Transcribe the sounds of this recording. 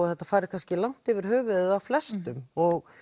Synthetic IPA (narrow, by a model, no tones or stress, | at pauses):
ɔθɛht̪ːafaːɾɪɾ̥kʰanscɪlawn̥t̪ɪvɪɾ̥ɦœːvʏðʏðawflɛst̪ʏmɔɣ